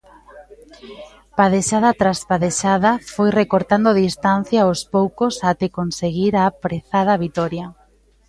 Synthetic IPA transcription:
paðeʃaðɐt̪ɾaspaðeʃaðɐfojrekoɾt̪and̪oðist̪an̟θjaospowkosat̪ekonseɣiɾapɾeθað̞ɐβit̪ɔɾja

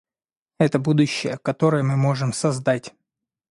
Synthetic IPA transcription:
ɛt̪əbud̪ʊɕːɪ̰jəkɐt̪o̞ɾɨjəmɨmo̞ʐɨmsɐzd̪atʲ

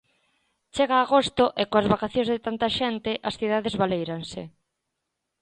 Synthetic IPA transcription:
t͡ʃeɣaːɣost̪ʊʔekoazβakaθjõñzðɪt̪ant̪aʃent̪ɪʔɐsθiðaðezβalejɾansɪ

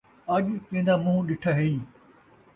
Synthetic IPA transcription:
ɐʄkẽːnd̪amʊ̃ɦũɗɪʈʰaɦeiː

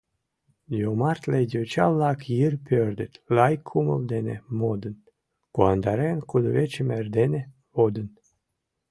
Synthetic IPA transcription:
jomɑrt̪led̪ʲot͡ɕɑlˠːɑkjirpʲørd̪ʲət̪ʲlɑjkʰːumə̰ld̪enʲḛmod̪ən | kuɑnd̪ɑɾenkud̪ovet͡ɕemerd̪enʲe | od̪ən

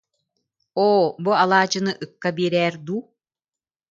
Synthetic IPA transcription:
oːbualˠaːt͡ʃɯnɯʔɯkːabiːɾɛːɾd̪uː

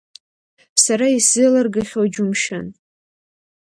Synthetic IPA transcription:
saɾaisɨlarɡaχʲowd͡ʒumʃa̰n

